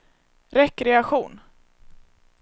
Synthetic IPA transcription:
ɾɛkːɾɛakɧuːn

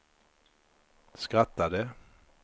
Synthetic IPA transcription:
skʁat̪ːad̪ə

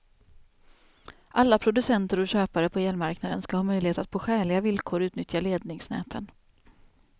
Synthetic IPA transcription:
ʔalːapʰɾʊd̪ɵsɛnt̪əɾɔɕøːpaɾəpʰɔeːlmaɾknad̪ənskahɑːmœjlɪheːt̪at̪̚pʰoːɧɛːɭɪɡavɪlkʰoːɾʉ̟ːt̪nʏt̪jaleːd̪nɪŋsnɛ̰ːt̪ʰən

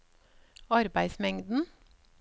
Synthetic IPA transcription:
ɑɾbæɪsmɛŋd̪n̩

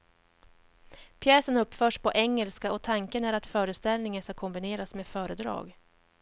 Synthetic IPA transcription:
pʰjɛːsənɵpːfœːʂpɔʔɛŋːəlskaʔɔt̪ʰaŋkənæɾat̪fœːɾəst̪ɛlnɪŋənskakʰɔmbɪneːɾasmeːfœːɾəd̪ɾɑ̰ːɡ

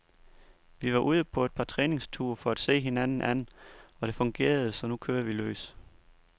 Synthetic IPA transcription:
ʋiʋɑ̈ʔuːð̞ˠəpʰɒ̽e̝d̥̚pʰɑ̈t͡sʰʁɛːne̝ŋst͡sʰuɐfɒ̽æd̥se̝̰ːɦe̝nænn̩ʔænɒ̽ɾ̥e̝fɔ̽ŋɡ̥e̝̰ːɐð̞ˠəsɒ̽nukʰøːɐʋilø̰ːs

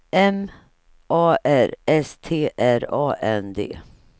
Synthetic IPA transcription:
ɛm | ʔɑːʔæɾɛst̪ʰeːʔæɾɑːʔɛnd̪ḛː

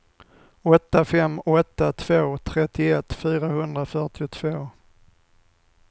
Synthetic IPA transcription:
ɔt̪ːafɛmːɔt̪ːat̪ʰv̥oːt̪ʰɾɛt̪ːɪɛt̪ːfyːɾahɵnd̪ɾafœʈɪʊt̪ʰv̥oː

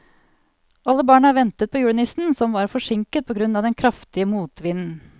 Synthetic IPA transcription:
ʔɑlːəbɑːɳəɑːɾʋɛnt̪ət̪̚pʰɔjʉːnɪsn̩sɔmʋɑːɾfɔʂɪŋkət̪̚pʰɔɡɾʉnːɑːʋd̪ɛnkʰɾɑft̪ɪəmuːt̪ʋɪnn̩

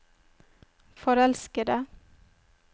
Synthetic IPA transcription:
fɔɾɛlskəd̪ə

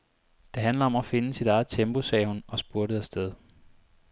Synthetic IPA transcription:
d̥e̝ɦænləɒ̽mɒfe̝nəsid̥ɑ̈ɪð̩ˠt͡sʰemb̥o̝sɛ̰ːhunɒ̽sb̥uɐɾ̥əð̩ˠæsd̥eð̞ˠ

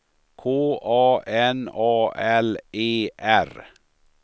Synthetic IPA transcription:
kʰoːʔɑːɛnɑːʔɛlʔeːʔæɾ

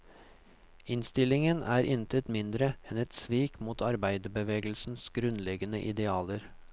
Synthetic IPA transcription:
ɪnst̪ɪlɪŋənʔæːɾʔɪnt̪ʰət̪mɪnd̪ɾəɛnɛt̪sʋiːkmuːt̪ʰɑɾbæɪd̪əbəʋeːɡəlsn̩sɡ̥ɾʉnlɛɡənəʔɪd̪ɛɑːləɾ

